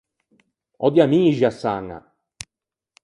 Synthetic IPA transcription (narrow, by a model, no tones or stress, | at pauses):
ɔ̰d̪jamiːʒiasːaŋːa̰